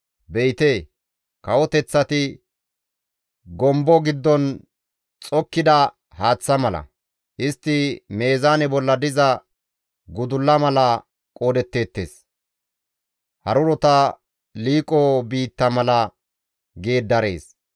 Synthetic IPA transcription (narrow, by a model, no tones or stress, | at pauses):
bɛjɪt̪e̞ː | kɐwɔt̪ɛt͡sːɐt̪ɪ | ɡɔmbɔɡɪd̪ːɔn | t͡sʼɔkːɪd̪ɐ | haːt͡sːɐmɐlɐ̰ | ʔɪst̪ːɪme̞ːzaːnɛbɔlːɐd̪ɪzɐ | ɡʊd̪ʊlːɐmɐlɐ | kʼoːd̪ɛt̪ːe̞ːt̪ːe̞̰ːs | hɐɾʊɾɔt̪ɐ | liːkʼɔbiːt̪ːɐmɐlɐ | ɡe̞ːd̪ːɐɾe̞ːs